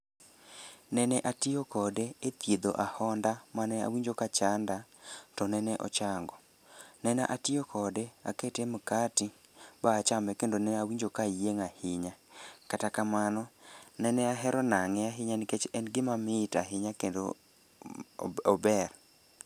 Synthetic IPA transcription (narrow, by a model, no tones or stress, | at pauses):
nɛnɛʔatɪokɔdeet̪jed̪oʔahɔndamanɛa̰wiɲd͡ʒokat͡ʃandatɔnɛnɛʔɔ̰t͡ʃaŋɡɔ | nɛna̰ʔatɪokɔdea̰ketemkatɪ | baːt͡ʃamɛkendonɛawiɲd͡ʒokajeŋahɪɲakatakamanɔnɛnɛaɦɛɾɔnaŋɛaɦɪɲanɪket͡ʃɛnɡɪmamɪtaɦɪɲakendo̰ | ɔbɛr